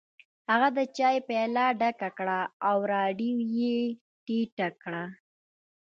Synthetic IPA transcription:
haɣad̪ət͡ʃɑjpelaɖakakɽaːwɾɑɖiwje | ʈiʈakɽa

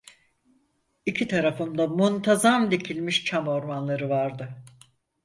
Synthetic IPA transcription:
icʰit̪ʰaɾafɯmd̪amunt̪ʰazamd̪icʰilʲmiʃt͡ʃʰamo̞ɾmanlˠaɾɯvaɾd̪ɯ

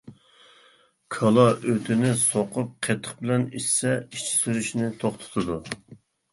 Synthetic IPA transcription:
kʰɑlˠɑʔøt̪ʰɪnɪsoqʰʊp̚qʰet̪ʰːə̥χbɪlɛnissɛiʃt͡ʃʰi̥syɾyʃnɪt̪ʰoχt̪ʰo̥t̪ʰɨd̪u

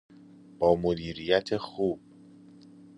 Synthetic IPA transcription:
b̥ɒːmod̪iːɾijæt̪ʰexuːb̥̚

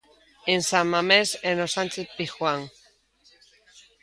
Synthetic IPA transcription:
ensammːamesenosant͡ʃeθpixwaŋ

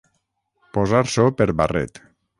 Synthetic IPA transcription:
pozaɾsopeɾβarɛ̰t̪

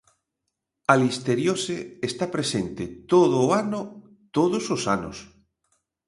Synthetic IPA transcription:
alist̪eɾjoseːst̪apɾesent̪et̪oðʊːanʊ | t̪oðʊsosanʊ̰s

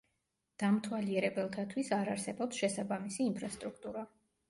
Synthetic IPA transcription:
d̪̥amt̪ʰwaliɛɾɛbɛlˠt̪ʰat̪ʰwisaɾaɾsɛbɔpsʃɛsabamisiːmpʰɾast̪ʼɾukʰt̪ʼuɾa

